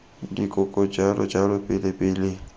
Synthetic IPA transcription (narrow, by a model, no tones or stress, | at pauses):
dikʼʊkʼɔd͡ʒalɔ̰d͡ʒalɔpʼɪlɪpʼɪːlɪ